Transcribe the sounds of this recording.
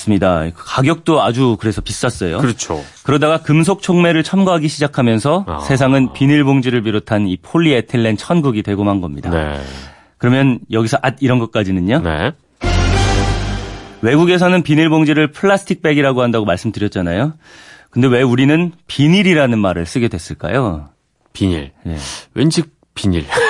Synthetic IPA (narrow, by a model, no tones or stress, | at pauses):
s͈ɯmɲidakaɡjʌk̚t͈oad͡ʑukɯɾe̞sʰʌpis͈ʌs͈ʌjo̰ɯɾt͡ɕʰo̰kɯɾʌdaɡakɯms̬ʰok̚t͡ɕʰoŋme̞ɾɯɭt͡ɕʰʌmɡaɦaɡiɕʰid͡ʑakʰamjʌnsʰʌsʰe̞s̬ʰaŋɯnpiniɭboŋd͡ʑiɾɯɭp̬iɾotʰanipʰoɭːietʰɯɭːe̞nt͡ɕʰʌnɡuɡitwe̞ɡomanɡʌmɲida̰ḛ | kɯɾʌmjʌnjʌɡisʰʌʔad̚iɾʌnɡʌt̚k͈ad͡ʑinɯnanḛ | we̞ɡuɡe̞sʰʌnɯnpiɲiɭboŋd͡ʑiɾɯɭpʰɯɭːasʰɯ̥tʰik̚p͈e̞ɡiɾaɡohandaɡomaɭs͈ɯmdɯɾjʌt̚t͡ɕ͈anajo | kɯnde̞we̞uɾinɯnpiɲiɾiɾanɯnmaɾɯɭs͈ɯɡe̞dwe̞s͈ɯɭk͈a̰jo | piɲḭɭne̞̰wend͡ʑik̚ | piɲiɭ